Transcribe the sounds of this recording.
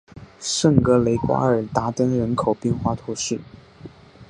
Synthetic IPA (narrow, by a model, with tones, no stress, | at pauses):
ʂə˥˩ŋkɤ˧˥le˧˥ɪkwa̰˥ə˞˨˩t̪a˧˥t̪ə˥nɻə˧˥nkʰo˨˩ʊpjɛ˥˧nxwa˥t̪ʰu˧˥ʂɻ̩˥˩